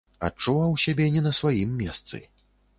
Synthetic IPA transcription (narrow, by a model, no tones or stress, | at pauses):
a̰t͡ʂːuvawsʲabʲɛnʲɛnɐsvajimːʲɛst̪sɨ̰